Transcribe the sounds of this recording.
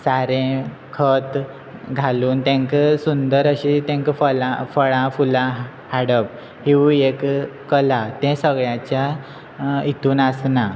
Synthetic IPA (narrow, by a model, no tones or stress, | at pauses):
saɾẽ | kʰət̪ | ɡʱaluːnt̪ɛ̃ŋkəsund̪əɾəɕit̪ɛ̃ŋkfəlãfəɭãfulã | haɽəp̚ | hiuekː | əlat̪ɛ̃səɡɭjãt͡ɕja | it̪uːnasna